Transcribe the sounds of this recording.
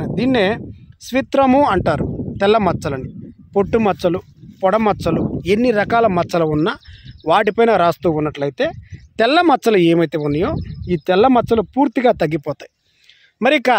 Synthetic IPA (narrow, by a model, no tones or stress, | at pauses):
d̪iːnːeːsʋit̪ɾɐmuɐɳʈaːɾut̪ɛlːɐmɐt͡ʃːɐlɐnipo̞ʈːumɐt͡ʃːɐlu | pɔɽɐmɐt͡ʃːɐlue̞nːiɾɐkaːlɐmɐt͡ʃːɐlɐunːɐʋaːʈ̬ipɐjnɐɾaːst̪uːunːɐʈlɐjit̪e̞ːt̪ɛlːɐmɐt͡ʃːɐlueːmɐjt̪eːunːɐjo̞ːiːt̪ɛlːɐmɐt͡ʃːɐlupuːɾt̪iɡaːt̪ɐɡːipɔːt̪aːji | mɐɾiikːa